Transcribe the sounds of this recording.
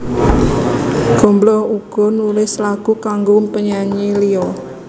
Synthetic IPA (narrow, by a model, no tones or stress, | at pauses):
ɡ̥ɔ̤mblɔhuɡ̥ɔ̤nulɪslaɡ̥ṳkaŋɡompəɲaɲiliɔ